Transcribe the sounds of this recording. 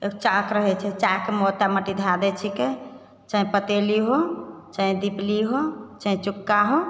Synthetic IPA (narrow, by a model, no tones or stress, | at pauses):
ekt͡ʃakɾəɦɛt͡ʃʰɛt͡ʃakemot̪aməʈid̪ʱad̪ɛt͡ʃʰike | t͡ʃaĩpət̪eliɦot͡ʃəĩd̪ipliɦot͡ʃəĩt͡ʃukːaɦo